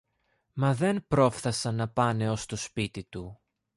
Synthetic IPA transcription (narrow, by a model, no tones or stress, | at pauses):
mɐðe̞npɾo̞fθɐsɐnːɐpɐne̞o̞st̪o̞spit̪it̪u